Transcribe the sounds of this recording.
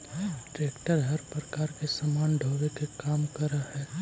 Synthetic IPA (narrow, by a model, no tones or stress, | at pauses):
ʈɾeːkʈəɾɦɐɾpɾɐkaːɾkesɐmaːnɖʱoːʋekekaːmkɐɾahɛː